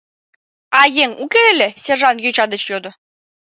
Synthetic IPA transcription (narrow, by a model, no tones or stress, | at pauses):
ɑjeŋukeelʲesʲerʒɑnjøt͡ɕɑd̪ə̆t͡ɕjod̪ŏ